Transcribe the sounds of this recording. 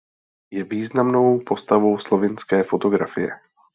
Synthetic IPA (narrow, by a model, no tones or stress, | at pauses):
jɛviːznamno̞wpo̞st̪avo̞wslo̞vɪnskɛːfo̞t̪o̞ɡɾafɪjɛ̰